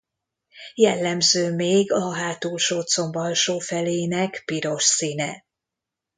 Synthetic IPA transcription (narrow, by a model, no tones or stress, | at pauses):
jɛlːɛmzøːmeːɡɒɦaːt̪uːlʃoːt̪so̞mbɒlʃoːfɛleːnɛkpiɾo̞ʃsiːnɛ